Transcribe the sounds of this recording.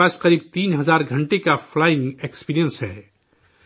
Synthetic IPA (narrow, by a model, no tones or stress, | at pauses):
aːsqɐɾiːb̚t̪iːnɦɐzaːɾɡʱɐ̃ɳʈekafʰlaːɪ̃ŋɡekspiːɾijə̃nsɦɛ̰ː